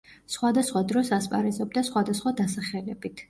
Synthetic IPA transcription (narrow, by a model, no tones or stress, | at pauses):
sχwad̪asχwad̪ɾɔsaspʼa̰ɾɛzɔbd̪asχwad̪asχwad̪asaχɛlɛbit̪ʰ